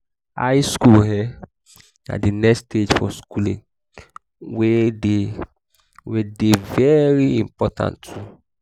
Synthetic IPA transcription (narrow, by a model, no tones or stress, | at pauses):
a̰jskulhɛ | na̰dinɛkstʰed͡ʒfɔskulḭ̃ | wede | wedevɛɹiḭ̃mpɔtʰã̰ntʰu